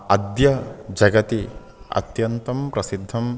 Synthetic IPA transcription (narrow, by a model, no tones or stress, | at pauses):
ɐd̪jɐd͡ʒɐɡɐt̪i | ɐ̰t̪jɐnt̪ɐmpɾɐsid̪ʱːɐm